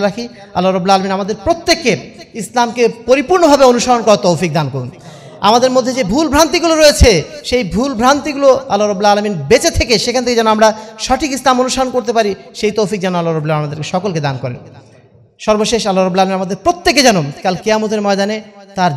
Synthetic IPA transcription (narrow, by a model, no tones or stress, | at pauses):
ɾakʰi | alːaɾɐbulalaminamad̪eɾpɾot̪ːekːeislamkepoɾipuɾnobʱabeonuʃaɾonkɔɾat̪owfik̚d̪ankoɾun | a̰mad̪eɾmod̪ʱːed͡ʑebʱulbʱɾant̪iɡuloɾoet͡ɕʰeʃejbʱulbʱɾant̪iɡuloalːaɾabːulalaminbet͡ɕet̪ʰekeʃekʰanet̪ʰeked͡ʑɛnoamɾaʃɔʈʰikislamonuʃaɾonkoɾt̪̬epaɾiʃejt̪owfik̚d͡ʑɛnoalːaɾɐbulaĩnamad̪eɾkeʃɔkolked̪ankɔɾḛn | ʃɔɾboʃeʃalːaɾɐbːlalaminamad̪eɾpɾot̪ːeked͡ʑɛnokalkiamot̪̬eɾmɔed̪anet̪aɾ